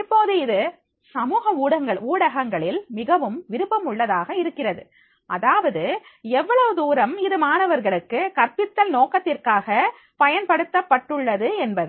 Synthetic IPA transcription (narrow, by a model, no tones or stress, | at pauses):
ɪpːoːðɯɪðɯ | sɐmuːɣɐuːɽɐŋɡɐɭuːɽɐɣɐŋɡɐɭɪlmɪɣɐʋɯmʋɪɾɯpːɐmʊɭːɐðaːɣɐɪɾɯkːɪrɐðɯ̰ | ʔɐðaːʋɐðɯɛʋːɐɭɐʋɯd̪uːɾɐmɪðɯmaːnɐʋɐɾɣɐɭɯkːɯkɐɾpɪt̪ːɐlnoːkɐt̪ːɪrkaːɣɐ | pɐjɐnpɐɽɯt̪ːɐpːɐʈːɯɭːɐðɯɛnbɐðɯ